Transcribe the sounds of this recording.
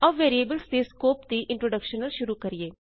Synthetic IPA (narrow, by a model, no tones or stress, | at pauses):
ɔʋʋeːɾieːbəlst̪eːskoːpd̪iʔɪ̃ɳʈɾoːɖəkʃənəlʃʊɾukəɾijeː